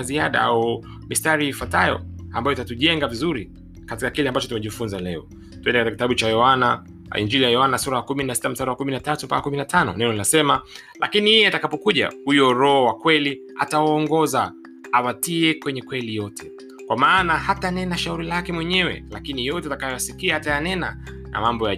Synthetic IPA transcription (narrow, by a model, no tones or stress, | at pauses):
ziaɗa̰au | mistaɾiːfwatajɔ̰a̰mbajɔtatuʄɛŋɡavizuɾi | katikakilɛambat͡ʃɔtumɛʄifunzalɛɔ | tuɛndɛkatikitaɓut͡ʃajɔana | ḭnd͡ʒilijajɔanasuɾajakuminasi̥tam̩staɾawakuminatatumpakakuminatʰanɔ̰nɛnɔninasɛma | lʔa̰kinijijɛatakapɔkuʄa̰hujɔɾɔɔwakwɛli | a̰tawaːŋɡɔza | awatiɛkwɛɲɛkwɛlijɔtʰɛ̥ | kwamaːnahatanɛnaʃauɾilakɛmwɛɲɛwɛ̰lakinijɔtɛatakajɔjasikiahatajanɛnana̰mambɔja